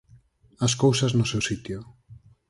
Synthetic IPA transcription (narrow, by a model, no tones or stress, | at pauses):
ɐskowsɐznʊsewsit̪jʊ